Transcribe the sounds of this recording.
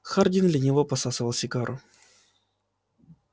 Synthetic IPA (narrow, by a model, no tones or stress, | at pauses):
xardʲɪnd̪lʲɐnʲɪvopɐsasəvəlˠsʲɪɡaɾʔʊ̰